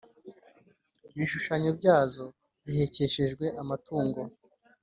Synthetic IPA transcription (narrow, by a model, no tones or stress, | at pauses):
βiʃuʃaɲobɟaːzo̞ | βihe̞ce̞ʃe̞ʒɡwe̞ʔamatuːŋɡo̞